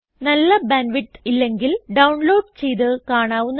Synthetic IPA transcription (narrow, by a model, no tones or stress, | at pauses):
nɐlːɐbɐnʋiʈːilːe̞ŋɡilɖɐwɳlo̞ːɖt͡ɕe̞jðɨkaːɳaːʋunː